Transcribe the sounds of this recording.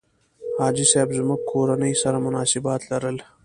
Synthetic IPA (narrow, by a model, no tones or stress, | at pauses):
hɑːd͡ʒiseːbzʊmuɡ̚kʰoːɾanəjsɐɾamʊnɑːsɪbɑːt̪lɐɾəl